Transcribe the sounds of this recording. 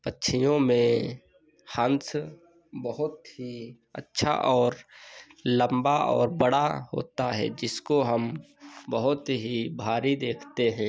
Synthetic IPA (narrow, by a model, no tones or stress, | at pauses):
pətːʃʰijõmẽ | hə̃ns | bəɦʊt̪ɦi | ə̰tːʃʰa̰ʔɔːɾ | lə̃mbaɔ̰ːɾbəɽaɦo̰ːt̪aɦɛ̰d͡ʒɪskoɦəm | bəɦʊt̪ɦibʱaːɾid̪eːkʰt̪eɦɛ̃ː